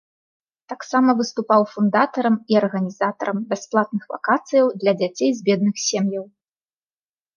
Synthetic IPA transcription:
t̪aksamɐvɨst̪upawfund̪at̪ɐɾɐmiɐrɣɐnʲizat̪ɐɾɐmbʲasplˠat̪̚nɨxva̰kat̪sɨjɐwd̪lʲɐd͡zʲat͡sʲejzbʲɛd̪̚nɨxsʲemjɐw

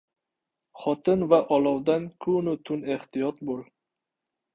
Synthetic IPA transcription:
χɒt̪ʰɪnvaʔɒlɒwd̪ankʰʊnʊt̪ʰʊneht̪ijɒt̪̚bolˠ

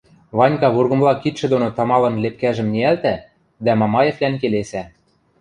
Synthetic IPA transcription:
βɑnʲkɑβurɣɤ̆mlɑkit̪ʃɘ̆d̪onot̪ɑmɑlɤ̆nlep̚kæʒɘ̆mneælt̪æ | d̪æmɑmɑjeflænkelesæ

